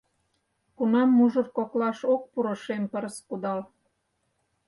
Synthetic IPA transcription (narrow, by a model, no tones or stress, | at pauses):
kunɑmːuʒə̆rkoklɑʃok̚puɾŏʃempəɾskud̪ɑl